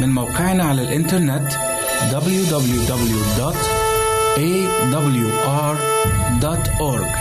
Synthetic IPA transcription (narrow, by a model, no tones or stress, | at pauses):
mɪnmawqɪʕnaʕalalʔɪnt̪ɑɾˤnɪt̪ | d̪ɑbljud̪ɑbljud̪ɑbljud̪ɔːt̪ | ʔeː | d̪ɑbljuʔɑːɾˤd̪aːt̪ʔʊɾɡ